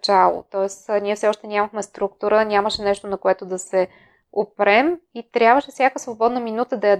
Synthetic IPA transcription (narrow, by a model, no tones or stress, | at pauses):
t͡ʃalˠo̰t̪ɔɛsnʲiɛfsɛɔʃt̪ɛnʲamɐxmɛst̪ɾuk̚t̪uɾənʲaməʃɛnɛʃt̪onɐkoɛt̪od̪ɐsɛ | opɾɛmit̪ɾʲjabvəʃɛfsʲjakəsvobɔd̪nəminut̪əd̪ɐjɐ